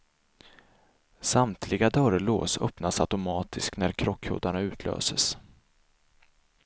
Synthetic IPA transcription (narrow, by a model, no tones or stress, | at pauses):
samt̪ʰlɪɡad̪œɾloːsœ̰pnasat̪ʊmɑːt̪ʰɪsknæɾkʰɾɔkʰːho̰ːd̪aɳaʉ̟ːt̪ʰlø̰ːsəs